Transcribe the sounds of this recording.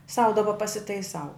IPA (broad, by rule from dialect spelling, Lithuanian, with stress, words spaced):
sɐʊ dɐˈbɐ pɐsʲɪtɐɪˈsɐʊ